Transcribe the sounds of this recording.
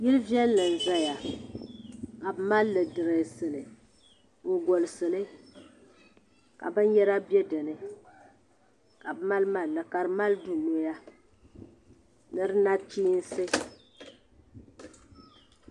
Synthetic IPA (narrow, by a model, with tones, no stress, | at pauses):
ji˦lvi˦ɛ˦lːɨ˨n̩˨za˦ja˨ | ka˨bɨ˦ma˦lːɨ˨dɨ˨ɾɨ˨sɨ˨lɨ˨ | ŋ̩˨ɡo˨lɨ˨sɨ˨lɨ˦ | ka̰˨bɨ˦n˦jɛ˦ɾa˦bjɛ˦dɨ˨nɨ˨ | ka˨bma˦lma˨nɨ˨ka˨ɾɨ˦ma˦ldu˨no˦ja˦ | nɨ˦ɾɨ˦na˦t͡ʃiː˦n̩˦sɨ˦